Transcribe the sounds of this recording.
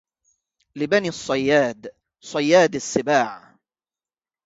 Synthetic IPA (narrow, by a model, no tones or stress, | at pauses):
lɪbaniːsˤːɑjːaːd̪ | sˤɑjːaːd̪ɪsːɪbaːʕ